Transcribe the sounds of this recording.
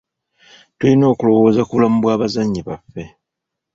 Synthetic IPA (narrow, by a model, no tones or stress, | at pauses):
tulino̞ːkulo̞wo̞ːzakuβulamuβwaːβazaɲːiβafːe̞